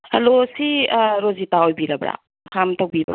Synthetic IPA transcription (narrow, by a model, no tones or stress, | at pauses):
halosiɾozitaojbiɾabɾa̰ | kʰamtʰawbibɾa̰